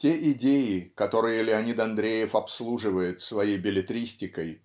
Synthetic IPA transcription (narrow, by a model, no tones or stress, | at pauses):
tʲeʔɪdʲejɪkɐt̪o̞ɾɨjəlʲɪɐnʲit̪ɐnd̪ɾʲejɪfɐpslˠuʐɨvəjɪt̪svɐjejbʲɪlʲɪt̪ɾʲisʲtʲɪkəj